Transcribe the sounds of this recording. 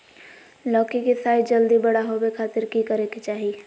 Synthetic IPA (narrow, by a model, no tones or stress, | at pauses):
lɔːkikisaːɪd͡ʒɐld̪ibɐɽaɦobekʰaːt̪ɪɾkikəɾẽkit͡ʃaːɦi